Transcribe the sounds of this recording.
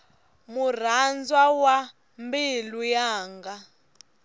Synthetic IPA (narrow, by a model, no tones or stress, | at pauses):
mur̤and͡zwawa | mbilujaːŋɡa